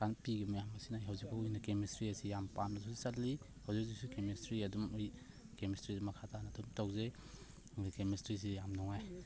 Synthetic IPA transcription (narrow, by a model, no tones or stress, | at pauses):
kʰanpiɡimajamɐsinajɦɐwzik̚bɐujnɐkemestɾiɐsijampamnɐsʰusisɐtli | hɐwzik̚zik̚sukemestɾiɐdumuj | kemestɾizimɐkʰatʰanɐdumtawze | kemestɾis̬ijamnɔŋaj